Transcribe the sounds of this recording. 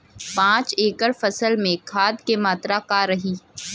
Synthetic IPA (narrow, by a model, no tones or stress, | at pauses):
pãːt͡ʃeːkəɾfɐsəlmẽkʰaːd̪kemaːt̪ɾakaɾɐɦiː